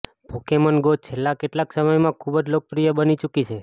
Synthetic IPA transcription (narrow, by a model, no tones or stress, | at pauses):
b̥ʱokemənɡot͡ʃʰelːakeʈlaksəməjmãkʰubəd͡ʒlok̚pɾijəbənit͡ʃukit͡ʃʰe